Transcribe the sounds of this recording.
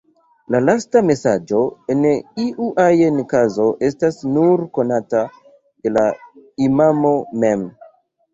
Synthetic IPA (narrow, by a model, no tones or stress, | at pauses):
lalastame̞sad͡ʒo̞eniʔuʔajenkazo̞ʔe̞stasnuɾko̞nata | de̞laimamo̞me̞m